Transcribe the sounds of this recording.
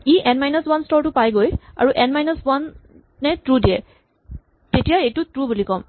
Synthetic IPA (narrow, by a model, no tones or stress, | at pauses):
iʔɛnmajnɔswanstɔɹtʊpajɡoja̰ɹuʔɛnmajnɔswanː | ɛtɹudijɛ | tetijaejtʊtɹubulikɔm